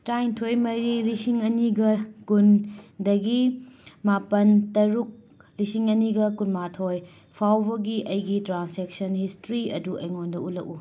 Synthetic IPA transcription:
tɾajntʰojmɐɾilisiŋɐniɡɐkundɐɡimapɐntɐɾuk̚ | lisiŋɐniɡɐkunmatʰoj | pʰawbɐɡiʔɐjɡitɾansek̚sɐnhistɾiɐ̰duʔɐjŋondɐʔulɐku

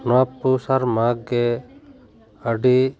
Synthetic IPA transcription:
nɔapːusaɾmaɡe | əɖi

